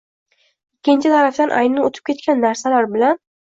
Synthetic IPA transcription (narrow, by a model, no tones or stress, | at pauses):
ɪkʲʰːɪnt͡ʃʰɪt̪ʰaɾafd̪anʔa̰jnɪot̪ʰɪ̥p̚kʰʲe̞t̪̚kʲanːaɾsalaɾbɪlan